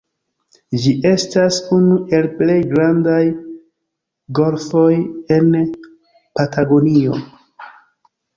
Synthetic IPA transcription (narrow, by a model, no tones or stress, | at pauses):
d͡ʒiʔe̞stasunuʔe̞lple̞jɡɾandaj | ɡo̞lfo̞je̞n | patʰaɡo̞nio̞̰